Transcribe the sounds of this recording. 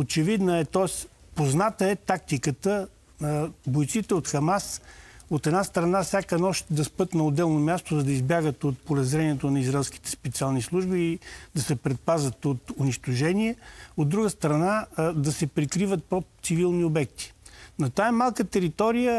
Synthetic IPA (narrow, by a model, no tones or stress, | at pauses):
ot͡ʃɛvid̪nəɛt̪ɔɛs | poznat̪əɛt̪ak̚t̪ikət̪ə | bojt̪sit̪ɛot̪xɐmasot̪ɛd̪nast̪ɾɐnasʲjakənɔʃt̪d̪ɐspɤt̪nɐod̪ːɛlˠnomʲjast̪ozɐd̪ɐizbʲjaɡət̪ot̪̚polɛzɾɛniɛt̪onɐizɾaɛlˠsk̟i̥t̪ɛ̥spɛt̪sialˠnislˠuʒbiːd̪ɐsɛpɾɛt̪̚pazət̪ot̪ʊniʃt̪ʊʒɛniɛod̪ːɾuɡəst̪ɾɐnad̪ɐsɛpɾikɾivət̪̚pɾot̪sivilˠniobɛk̚t̪i̥nɐt̪aɛmalˠkət̪ɛɾit̪ɔɾijə